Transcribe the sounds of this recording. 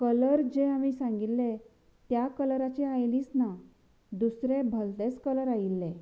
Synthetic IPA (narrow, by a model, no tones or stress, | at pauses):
kələɾd͡ʑeamiːsãŋɡit̪ːe | t̪jakəlɾat͡ɕeajliːsna | d̪usɾebʱəlt̪et͡skələɾajilːe